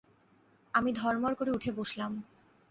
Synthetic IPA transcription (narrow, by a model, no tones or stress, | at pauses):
amid̪ʱɔɾmoɾkoɾeuʈʰeboʃlam